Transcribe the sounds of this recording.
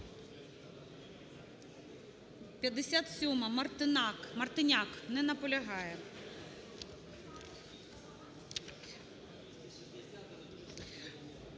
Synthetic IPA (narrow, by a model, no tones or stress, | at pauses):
pʲjɐd̪ɪsʲat̪sʲumɐmɐrt̪ɨnakmɐrt̪ɪnʲaknɛnɐpɔlʲɐɦɑjɛ